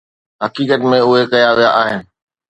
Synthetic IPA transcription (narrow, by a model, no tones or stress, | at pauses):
ɦɐkiːkət̪mẽʊɦekɐjaʋijaʔaːɦɪnɪ̆